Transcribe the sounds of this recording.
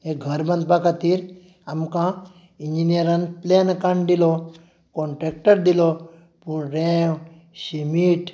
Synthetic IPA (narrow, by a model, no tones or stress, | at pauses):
ekɡʱəɾbə̃nd̪̚bakat̪iɾ | amkã | iɲd͡ʑinijəɾanplenkãɳɖd̪ilo | kɔɳʈɾek̚ʈəɾd̪ilo | puɳɾẽw | ɕimiʈ